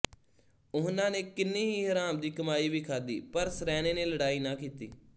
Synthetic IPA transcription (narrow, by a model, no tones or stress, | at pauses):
ʊɦnãːneːkɪnːeːɦiːɦəɾaːmd̪iːkəmaːiːʋiːkʰaːd̪ḭːpəɾsɾɛːnẽːneːləɽaːiːnãːkiːt̪ḭː